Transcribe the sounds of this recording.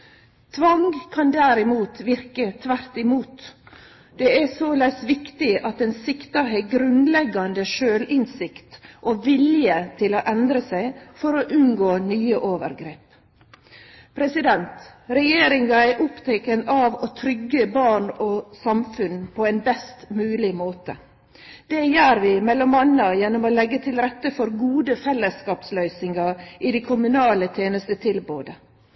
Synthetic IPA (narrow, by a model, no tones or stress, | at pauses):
t̪ʰʋɑŋɡkʰɑnd̪æɾɪmuːt̪ʋɪɾkət̪ʰʋæɾt̪ɪmuːt̪ | d̪̥ɛæsoːlɛɪsʋɪkt̪ɪʔɑt̪ɛnsɪkt̪ɑɾɦɛɡɾʉnlɛɡɑnd̪əʃøːlʔɪnsɪkt̪ʔoːʋɪljət̪ʰɪloːʔɛnd̪ɾəsæɪfɔɾoʔʉnɡoːnyːəʔoːʋə̰ɾɡɾeːp | pʰɾɛsɪd̪ɛnt̪ɾɛjeːɾɪŋɑæʔʊpt̪ʰɛkənɑʋot̪ʰɾʏɡːəbɑːɳɔsɑmfʉnpʰɔɛnbɛst̪mʉːlɪmoːt̪ə̰ | d̪̥ɛjøːɾʋɪmɛlːɔmɑnːɑjɛnːɔmɔlɛɡːət̪ʰɪlɾɛt̪ːəfɔɾɡuːd̪əfɛlːəskɑːpslœʏsɪŋɑʔɪd̪ækʰʊmʉnɑːlət̪ʰjeːnəst̪ət̪ʰɪlboːd̪ə